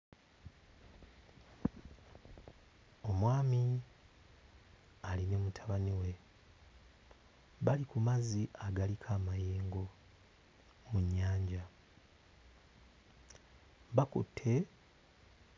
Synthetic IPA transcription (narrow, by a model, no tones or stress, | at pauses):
o̞mwaːmi | aline̞mutʰaβaniwe | βalikumaziʔaɡalikʰaːmajeːŋɡo̞ | muɲːaːɲɟa | βakṵtʰːe̞